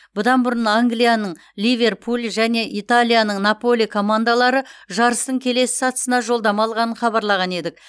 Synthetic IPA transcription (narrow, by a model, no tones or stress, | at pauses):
b̥ʊd̪ɑnbʊɾənaŋɡlijanəɴ | lʲijvʲe̞rpʰulˠʒæne̞ʔit̪alʲˠijanəɴnapo̞lijkʰo̞mand̪alˠɑɾəʒɑɾəst̪əɴkʲʰe̞le̞sɪ̥sɑt̪ə̥sənɑʒo̞lˠd̪ɑmɑlˠʁɑnəɴχɑβɑɾlˠɑʁɑne̞d̪ɪk